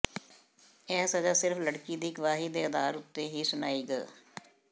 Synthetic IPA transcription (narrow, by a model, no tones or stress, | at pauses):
ɛːsəd͡ʒaːsɪɾfləɽkiːd̪iːɡəʋaːɦiːd̪eːəd̪aːɾʊt̪ːeːɦiːsʊnaːiːɡəː